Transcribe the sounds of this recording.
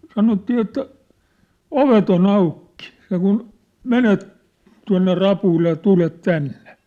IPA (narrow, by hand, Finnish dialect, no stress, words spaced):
sɑnotːiː etːæ oʋet on ɑukːi̥ seŋkun menet tuɑ̝nːe rɑpuilːe jɑ tulet tænːe̥